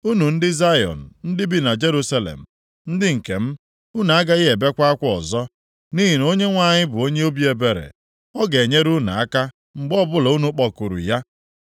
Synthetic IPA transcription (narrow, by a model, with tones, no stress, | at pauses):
u˦nu˨n̩˦dɪ˦za˦jɔ̰˨n̩˨n̩˦dɪ˦bi˦na˨d͡ʒe˦ɾu˦sa˦lḛ˨m̩˨ | n̩˦dɪ˦ŋ̩˨ke˨m̩˦ | u˦n˨a˦ɡa˦ɪ˦ɦe˨be˦kʷa˦a˦kʷɔ˨zɔ˦ | ni˦ɦi˨no˦ɲe˦ŋʷa˨ɲɪ˦bʊ˨o˦ɲe˦o˦bi˦e˨be˨ɾḛ˨ | ɔ˦ɡe˨ɲe˦ɾu˦na˨a˦ka˦ | ŋ͡m̩˨ɡ͡bɔ˦bʊ˦lɔ˨u˦nu˦k͡pɔ˨ku˨ɾṵ˨ja˦